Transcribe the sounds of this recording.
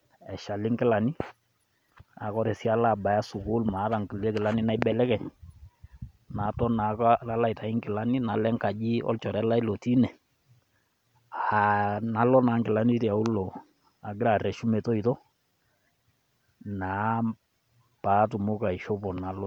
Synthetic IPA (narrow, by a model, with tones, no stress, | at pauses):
ɛ˨ʃa˨lɪ˦ŋkɪ˦la˨ni˦ | a˨kɔ˦ɾɛ˨si˦a˦la˦˨ba˨ja˦su˨kʊ˦lma˨˦ða˨ŋki˨lɛ˦kɪ˨la˦ni˦na˦ɪ˦bɛ˨lɛ˦kɛ˨ | na˨˦tɔ˦na˨ka˦la˦la˦ɪ˨ta˨ɪ˦ŋkɪ˨la˦ni˦na˨lɛ˦ŋka˨d͡ʒi˦ɔ̰˦lt͡ʃɔ˨ɾɛ˦la˦i˦lɔ˨ti˦nɛ˨ | a˨na˨˦lɔ˦na˨˦ŋɡɪ˨la˦ni˦ti˨a˨u˦lɔ˨ | a˨ɡɪ˦ɾa˨rɛ˨ʃu˦me˨tɔ˦i˨tɔ˦ | na˨˦ | pa˨˦tʊ˨mʊ˦ka˨i˨ʃɔ˦pɔ˨na˨lɔ˦